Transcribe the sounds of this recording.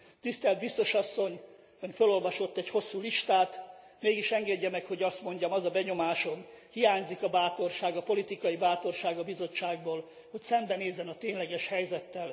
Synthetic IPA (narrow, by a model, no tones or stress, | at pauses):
t̪ist̪ɛlt̪̚bist̪o̞ʃɒsːo̞ɲ | følo̞lvɒʃo̞t̪ːɛcho̞sːuːliʃt̪aːt̪ | meːɡiʃɛŋɡɛɟːɛmɛkho̞ɟɒst̪mo̞ɲɟɒmɒzɒbɛɲo̞maːʃo̞n | hijaːɲzikɒbaːt̪o̞rʃaːɡɒpo̞lit̪ikɒjibaːt̪o̞rʃaːɡɒbizo̞t͡ʃːaːɡboːl | ho̞csɛmbɛneːzːɛnɒt̪eːɲlɛɡɛʃhɛjzɛt̪ːɛl